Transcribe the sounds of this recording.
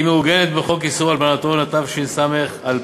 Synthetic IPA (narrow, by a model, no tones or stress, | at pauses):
imeuɡenet̪̚beχo̞kisuʁalbanat̪onat̪avʃinsameχal